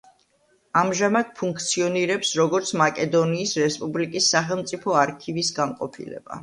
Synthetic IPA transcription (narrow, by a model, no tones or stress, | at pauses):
amʒamad̪̥̚pʰuŋkʰt̪sʰiɔniɾɛpsɾɔɡɔɾt̪sʰmakʼɛd̪ɔniːsɾɛspʼublikʼisːaχɛlˠmt̪sʼipʰɔaɾkʰivisɡaŋqʼɔ̰pʰḭlɛ̰b̥a̰